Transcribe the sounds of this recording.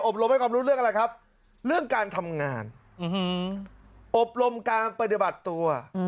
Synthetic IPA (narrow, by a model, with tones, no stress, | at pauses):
ʔo˨˩p̚ɾo˧mha˥˩jkʰaː˧mɾuː˦˥ɾɯ˥˩əʔa˧ɾa˧jkʰa˦˥p̚ | ɾɯ˥˩əŋkaː˧nt̪ʰa˧mŋaː˧n˧˦ | ʔo˨˩p̚ɾo˧mkaː˧npa˧t̪̬i˨˩ba˨˩t̪ːu˧ɐ